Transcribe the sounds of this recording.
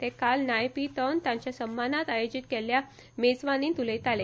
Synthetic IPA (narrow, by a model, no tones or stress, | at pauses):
t̪ekalnajpit̪ənt̪jãɲt͡ɕjasəmːanat̪ajod͡ʑit̪̚kɛlja | med͡zʋaniːt̪ulejt̪ale